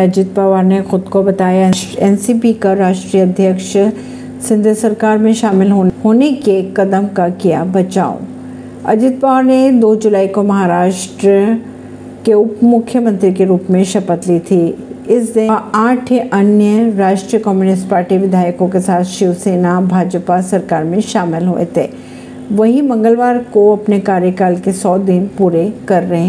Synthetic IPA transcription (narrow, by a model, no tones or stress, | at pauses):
ɐd͡ʒɪt̪̚paʋaɾnexʊd̪kobɐt̪aːjaɛnsipikaɾaːʃʈɾijəɐd̪ʱjəkʃ | sɪ̃nd̪ʱesɐɾkaːɾmẽʃaːmɪlɦoːɦoːnekekɐd̪əmkakija̰bɐt͡ʃa̰ːo̰ | ɐ̰d͡ʒɪt̪̚paːʋaːɾned̪oːd͡ʒʊlaːikomɐɦaɾaːʃʈɾə | keʊpmʊkʰːjəmə̃nt̪ɾikeɾuːpmẽʃɐpət̪lit̪ʰiɪsd̪ɪaːʈʰeʔɐnjəɾaːʃʈɾijəkɔːmjuːnɪsʈpaːɾʈiʋɪd̪ʱaːjəkõkesaːt̪ʰʃɪʋseːnabʱaːd͡ʒpasɐɾkaːɾmẽʃaːmɪlɦo̰ḛt̪ʰḛː | ʋɐɦimɐ̃ŋɡəlʋaːɾkoɐpnekaːɾjəkaːlkesɔːd̪ɪnpuːɾekɐɾːɐɦẽː